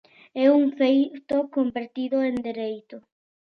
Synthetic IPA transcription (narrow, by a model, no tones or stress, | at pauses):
ɛuŋfejt̪okombeɾt̪iðoend̪eɾejt̪ʊ